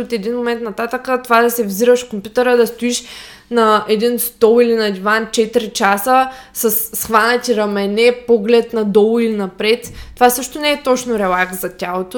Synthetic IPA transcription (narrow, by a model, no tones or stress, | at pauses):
ot̪ɛd̪inmomɛnt̪nɐt̪at̪əkət̪ovad̪ɐsɛvziɾəʃkompʲjut̪ɛɾəd̪ɐst̪oiʃ | nɐɛd̪inst̪ɔlˠilinɐd̪ʲivant͡ʃɛt̪iɾit͡ʃasəsɐsːxvanʲɛt̪ʲiɾɐmɛnɛpɔɡlɛt̪nɐd̪ɔlˠilinɐpɾɛt̪t̪ːovasɤʃt̪onɛɛt̪ɔt͡ʃnoɾɛlˠakszɐtʲalˠot̪o